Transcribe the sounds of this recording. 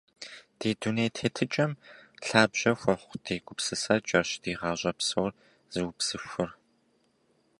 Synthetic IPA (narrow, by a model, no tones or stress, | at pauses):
d̥eːduneːtʰeːtʰɨt͡ʃʼɐmɬaːbʑ̥ɐxʷɔχʷd̥eːɡʷʼʊpsɨsɐt͡ʃʼɐɕd̥iːʁɑːʑʷʼɐpsowr | z̥ɨwʊpsɨfʷʊr